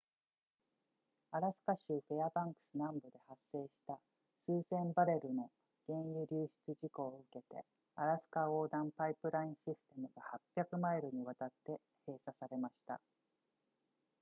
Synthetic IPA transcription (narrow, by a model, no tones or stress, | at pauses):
aɾasɨ̥kaɕɯːɸeabãŋkɯ̟̥sɨnãmbod̪e̞hasːe̞ːɕi̥t̪a | sɨːsẽ̞mbaɾe̞ɾɯ̟no̞ | ɡ̥ẽ̞ɰ̃jɯ̟ɾʲɨːɕi̥t͡sɨʑiko̞ːɯ̟ke̞t̪e̞̰ | aɾasɨ̥kao̞ːd̪ãmpaipɯ̟ɾaĩɰ̃ɕisɨ̥t̪e̞mɯ̟ɡahapʲːjakɯ̟maiɾɯ̟ɲ̟iβ̞at̪at̪ːe̞ | he̞ːsasaɾe̞maɕi̥t̪a̰